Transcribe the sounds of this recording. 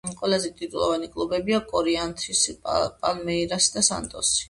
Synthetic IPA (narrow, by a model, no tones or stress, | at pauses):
qʼwɛlazɛt̪ʼit̪ʼulˠɔ̰vanikʼlˠubɛbiakʼɔɾiant̪ʰisipʼalmɛiɾasd̪asa̰nt̪ʼɔsi̥